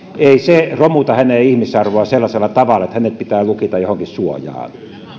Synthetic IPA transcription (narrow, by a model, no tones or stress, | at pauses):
eˑiseromut̪ɑhænejihmisɑrʋoɑselːɑselːɑt̪ɑʋɑlːˑɑĕt̪hænet̪pit̪æːlukit̪ɑjohoŋkissuojɑ̰ːn